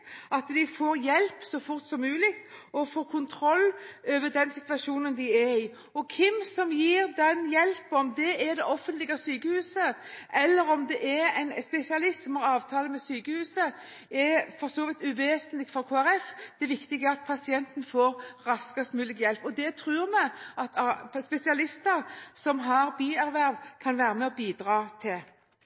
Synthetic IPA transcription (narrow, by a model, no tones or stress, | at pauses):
ɑt̪d̪ɪfoːɾjɛlpsɔfʊɾt̪sɔmːʉːlɪɡt̪ɔfoːɾkʰʊnt̪ʰɾɔlːøːʋəd̪ɛnsɪt̪ʋɑʂuːnənd̪ɪɛɾɪ | ɔkʰɪmsɔmjiːɾd̪ɛnjɛlpɔmd̪ɛɛɾd̪ɛʔɔfːənt̪lɪɡɑsyːkəhʉːsəʔɛlːəɾɔmd̪ɛʔɛɾɛɪnspɛsɪɑlɪst̪sɔmhɑɾɑːʋt̪ʰɑːləmɛsyːkəhʉːsə | ɛfɔɾsoːʋɪt̪ʉʋeːsənlɪɡfɾɔkʰoːæɾɛfd̪̥ɛʋɪkt̪ɪɡəɑt̪̚pʰɑsɪɛnt̪n̩foːɾɾɑskɑst̪mʉːlɪɡjɛlpɔd̪ɛt̪ʰɾʉːɾmɛɑt̪ʰɑspɛsɪɑlɪst̪əɾsɔmɦɑɾbiːæɾʋæɾʋkʰɑnʋæːɾəmɛɔbiːd̪ɾɑːt̪ʰɪl